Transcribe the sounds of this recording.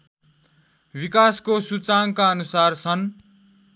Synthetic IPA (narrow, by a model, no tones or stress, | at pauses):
bikaskosut͡saŋkaʌnusart͡sʰʌn